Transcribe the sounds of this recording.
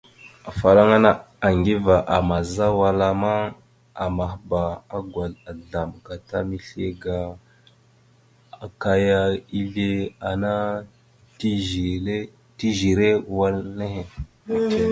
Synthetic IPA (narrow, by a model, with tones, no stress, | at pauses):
a˨fa˨ɾa˦ŋa˦na˦ | a˨ŋɡi˦va˨ʔa˨ma˨za˦wa˨la˦ma˦ | a˨ma˨xba˨a˦ɡwa˨ɮa˨ɮa˨mka˨ta̰˦mi˦ɬe˦ɡa˨ | a˨ka˦ja˦i˦ɮe˦a˨na˦ | ti˨e˦ | ti˦ʒi˨ɾe˦˨wa˦lne˦he˨˦